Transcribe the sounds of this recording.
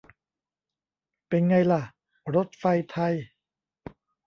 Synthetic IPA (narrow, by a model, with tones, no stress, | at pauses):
pe˧nŋa˧jla˨˩ʔ | ɾo˦˥t̪̚fa˧jt̪ʰa˧j